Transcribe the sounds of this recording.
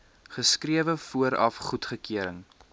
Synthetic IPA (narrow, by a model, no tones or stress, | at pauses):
χəskriəvəfuəɾɐfχutχəkiəɾəŋ